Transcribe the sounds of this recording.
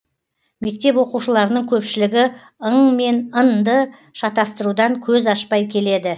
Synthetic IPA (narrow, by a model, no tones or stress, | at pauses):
me̞k̚t̪e̞pwo̞quʃəlˠɑɾənəɴkʲʰɵpʃɪlɪɡʲɪ | əɴme̞nənd̪ə | ʃɑt̪ɑst̪əɾud̪ɑŋkʲʰɵzɑʃpɑjkʲʰe̞le̞d̪ɪ